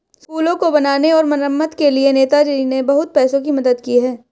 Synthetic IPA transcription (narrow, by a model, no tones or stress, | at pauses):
skuːlõkobɐnaːneɔːɾmɐnəmːət̪kelieneːt̪ad͡ʒɐɾinebɐɦʊt̪̚pɛːsõkimɐd̪əd̪kiɦɛː